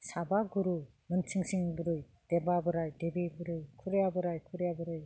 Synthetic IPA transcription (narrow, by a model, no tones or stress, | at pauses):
sabaɡuɾu | mɯnt͡ʃʰɯŋsiŋbɯɾɯj | d̥ebabɯɾajdebebɯɾɯjkʰɯɾjabɯɾajkʰɯɾjabɯɾɯj